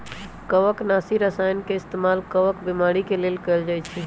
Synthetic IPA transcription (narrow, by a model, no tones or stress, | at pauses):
kəʋəknasiɾəsajnkeɪst̪emalkəʋəkbimaɽikelelkəɪld͡ʒajt͡ʃʰi